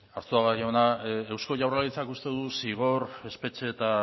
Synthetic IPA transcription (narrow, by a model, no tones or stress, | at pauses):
aɾt̪uaɣaionaewsko̞ʝawralit͡sakust̪e̞ðusiɣo̞re̞spe̞t͡ʃe̞ːt̪a